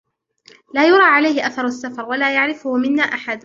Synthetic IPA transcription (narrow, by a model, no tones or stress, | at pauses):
laːjʊɾˤɑːʕalajhɪʔaθɑɾˤʊasːafɑɾˤwalaːjaʕɾɪfʊhʊmɪnːaːʔaħad̪